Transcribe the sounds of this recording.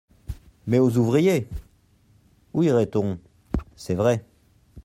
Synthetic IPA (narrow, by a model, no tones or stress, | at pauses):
mɛozuvʁije | uiʁɛt̪ɔ̃ | sɛvʁɛ